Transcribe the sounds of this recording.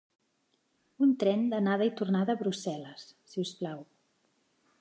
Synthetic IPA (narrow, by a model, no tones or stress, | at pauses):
unt̪ɾɛnd̪ənað̞əit̪urnaðəːβɾusɛləsːiusplaw